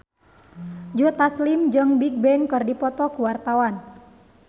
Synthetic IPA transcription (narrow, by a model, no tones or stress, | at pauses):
d͡ʒut̪aslimd͡ʒəŋbik̚bɛŋkɨrdipɔt̪ɔkuwart̪awan